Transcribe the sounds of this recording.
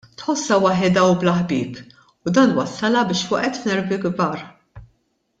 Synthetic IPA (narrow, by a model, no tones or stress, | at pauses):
t̪ħɔsːɐwɐħɛd̪ɐublɐħbɪ̰ːp | ʊd̪ɐːnwɐsːɐlɐbɪːʃwɐ̰ʔɛt̪fnɛɾbiɡbɐːɾ